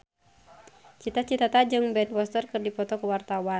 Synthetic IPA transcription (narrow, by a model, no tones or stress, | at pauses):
t͡ʃit̪at͡ʃit̪at̪ad͡ʒɨŋbɛnwɔst̪ərkɨrdipɔt̪ɔkuwart̪awa